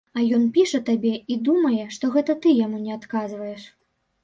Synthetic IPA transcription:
ɐjɔn̪pʲiʂɐt̪abʲɛid̪umɐjɛʂt̪ɔɣɛt̪ɐt̪ɨjamunʲɛat̪kazvɐjɛʂ

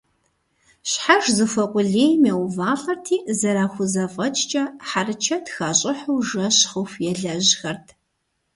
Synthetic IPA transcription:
ɕħaʒzɨfɐqʷʼʊɮeːjmeɛwvaːɬʼɐrtʰiːzɐɾaːxʷʊzɐfʼɐt͡ʃʼt͡ʃʼɐħarɨt͡ʃʰɐtxaːɕʼɪħʊwʒɐɕχʊxjɛɮɐʑxɐrtʰ

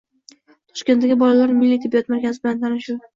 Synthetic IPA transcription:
t̪ʰɒ̥ʃkʲe̞nt̪ːaɡʲɪbɒlalaɾmɪlːit̪ʰɪbːjɒt̪maɾkʲʰazɪbɪlant̪ʰanɪʃʊ

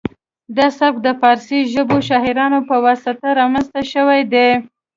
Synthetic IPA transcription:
d̪ɑsak̚d̪əfɑɾsiʒəboʃɑɦiɾɑnopəwasat̪aɾɑmanst̪aʃəwajd̪e

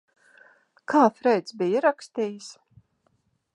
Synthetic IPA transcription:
kʰaːfɾɛjt̪sbijiɾakst̪iːjs

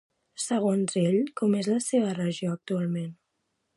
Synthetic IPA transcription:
səɣ̞onzeʎkɔmezləseβərəʒioək̚t̪ualˠmen

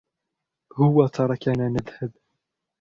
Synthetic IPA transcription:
hʊwːæt̪ʰˤɑɾˤɑkænænəðhəb

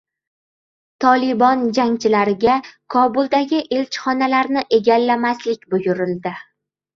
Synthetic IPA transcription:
t̪ʰɒlˠɪbɒnd͡ʒaŋt͡ʃʰɪlaɾɪɡʲakʰɒbʊlˠd̪aɡʲɪʔe̞lt͡ʃʰχɒnalaɾnɪʔe̞ɡʲalːamaslɪkʲbʊjʊɾɪld̪ɪ

